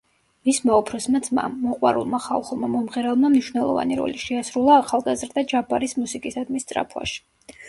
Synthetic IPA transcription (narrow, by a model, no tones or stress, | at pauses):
vismaɔpʰɾɔsmad̪zma̰ːɔqʼwa̰ɾṵlˠmaχa̰lˠχulˠmamɔmʁɛɾɛlˠmamniʃwnɛlˠɔ̰va̰niɾɔ̰liʃɛasɾulˠaːχalˠɡazɾd̪ad͡ʒabaɾismusikʼisad̪mist̪ʼɾa̰pʰwa̰ʃi̥